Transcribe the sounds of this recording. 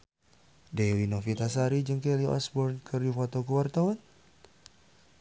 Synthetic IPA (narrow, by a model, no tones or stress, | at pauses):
dewinofit̪asaɾid͡ʒəŋkeliɔ̰sbɔrnkʰərjufɔt̪okuwart̪awan